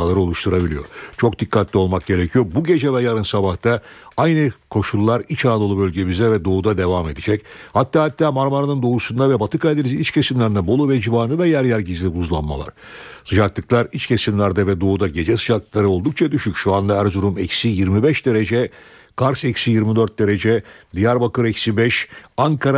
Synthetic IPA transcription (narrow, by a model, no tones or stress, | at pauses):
alˠaɾɯo̞lˠuʃt̪ʰuɾabilʲijo̞̰ɾt͡ʃʰo̞k̚d̪ikːat̪ʰlʲio̞lˠmak̚ɟe̞ɾecʰijo̞buɟe̞d͡ʒɛvɛjaɾɯnsabaht̪ʰaajnɯkʰo̞ʃulˠːaɾit͡ʃaad̪oubø̞lʲɟemizd̪ɛvɛd̪o̞ud̪ad̪e̞vame̞d̪id͡ʒɛchat̪ʰːaːhat̪ʰːaːmaɾmaɾanɯnd̪o̞usund̪avɛbat̪ʰɯkajd̪eiziit͡ʃcʰʲe̞simlʲæɾinɛbo̞lˠuvɛd͡ʒivaːnɯvɛjæɾjæɾɟizlʲibuzlˠanma̰lˠa̰ɾ̥sɯd͡ʒak̚t̪ˠɯklˠaɾit͡ʃcʰe̞simlʲæɾd̪ɛvɛd̪o̞ud̪aɟe̞d͡ʒɛsɯd͡ʒaklˠaɾɯo̞lˠd̪uk̚t͡ʃʰad̪yʃycʃuand̪aɦæɾzuɾumɛcsijiɾmibɛʃd̪e̞ɾe̞d͡ʒɛ | kʰaɾsɛcsijiɾmid̪øɾt̪̚d̪e̞ɾe̞d͡ʒɛd̪ijaɾbakɯɾɛcsibɛʃaŋkʰaɾa